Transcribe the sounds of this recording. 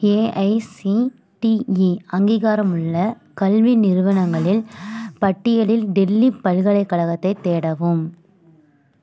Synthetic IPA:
eːʔɐɪsi | ʈiiɐŋɡiːɣaːɾɐmɯɭːɐ | kɐlʋinɪɾɯʋɐnɐŋɡɐɭɪlpɐʈːɪjɐlɪlɖɛlːipɐlɣɐɭɐɪkːɐɭɐɣɐt̪ːɐɪt̪ːeːɽɐʋɯm

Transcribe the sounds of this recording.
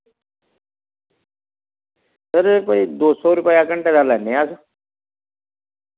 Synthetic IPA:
t̪əɾepəid̪osɔɾupəjakəɳʈed͡zalanejasa

